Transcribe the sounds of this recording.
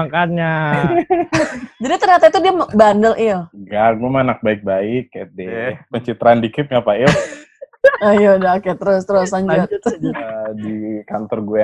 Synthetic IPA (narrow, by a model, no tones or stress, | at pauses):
akanɲa | d͡ʒadit̪ərɲat̪ait̪udiambandəlʔioɡaɡuɛmanak̚baɪk̚baɪkːat̪̚dɛpəɲt͡ʃit̪ɾaːndikɪp̚ɲapai | ajodakat̪ɾost̪əɾosaɲd͡ʒat̪ | dikant̪ɔrɡuɛ